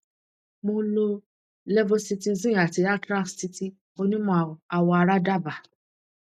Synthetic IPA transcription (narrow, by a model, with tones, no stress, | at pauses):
mo˧lo˧ | lɛ˦vo˧si˧ti˧zĩ˦˨a˨ti˨˧a˦tɾa˦kssi˧ti˧ | o˧nĩ˦mɔ̃˦˨a˧wɔ˧a˧ɾa˦da˦˨ba˨